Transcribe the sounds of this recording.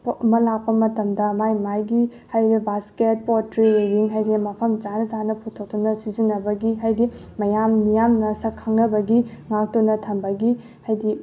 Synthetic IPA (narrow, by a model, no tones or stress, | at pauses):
mɐlak̚pɐmɐtɐmdɐmajmajɡihajɾibasket̚pɔtɾiɾebiŋɦajdemɐpʰɐmd͡ʒanɐzanɐpʰutʰok̚tunɐsizinːɐbɐɡiɦajdimɐjamnijamnɐsɐkʰːaŋnɐbɐɡiŋak̚tunɐtʰɐmbɐɡi | hajdi